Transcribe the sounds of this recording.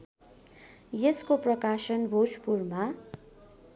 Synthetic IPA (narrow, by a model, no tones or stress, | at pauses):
jeskoprʌkasʌnbʱospurma